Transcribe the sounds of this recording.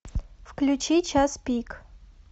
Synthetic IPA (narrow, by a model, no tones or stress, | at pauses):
fklʲut͡ʃit͡ʃʰaspʲik